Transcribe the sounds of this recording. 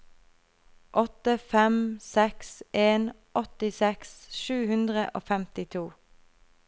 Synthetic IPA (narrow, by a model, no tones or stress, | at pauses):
ʔɔt̪əfɛmsɛksʔeːn | ʔɔt̪ɪsɛksʃʉːhʉnd̪ʁəʔo̰ːfɛmt̪ɪt̪ʰuː